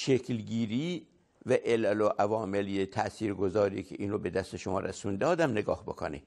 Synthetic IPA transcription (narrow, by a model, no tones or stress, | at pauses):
ʃekʰlɡiːɾiː | væʔelæloʔævɒːmeliet̪ʰæʔsiːɾɡozɒːɾḭːkʰḛʔiːnɾobe̞d̪æst̪eʃomɒ̰ːɾæsund̪ɒːd̪æmneɡɒ̰ːhbokʰo̰nḭ